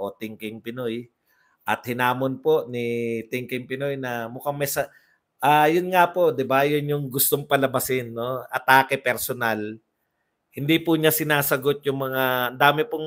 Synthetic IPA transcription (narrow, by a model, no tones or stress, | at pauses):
ʔo̞t̪ɪŋkɪŋpɪnoj | ʔɐt̪̚hɪnaːmonpo̞ʔnɪt̪ɪŋkɪŋpɪnojnɐmʊkaŋmɐjsɐ | ʔaːjʊnŋapo̞ʔd̪ɪbajonjʊŋɡʊst̪oŋpɐlɐbɐsɪnːo̞ɐt̪aːkɛpɛɾsonal | hɪnd̪ipuɲasɪnaːsɐɡot̪̚jʊŋmɐŋaɐnd̪aːmɪpʊŋ